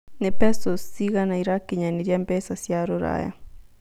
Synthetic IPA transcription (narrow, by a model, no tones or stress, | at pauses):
nɛpɛsosiɣanaiɾakiɲaniɾjambɛsasjaɾoɾa̰ja̰